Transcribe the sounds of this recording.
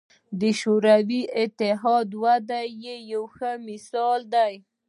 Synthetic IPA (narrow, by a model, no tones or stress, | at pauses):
d̪əʃoɾawiɪt̪ɪɦɑd̪wad̪ajejawxəmɪsɑld̪aj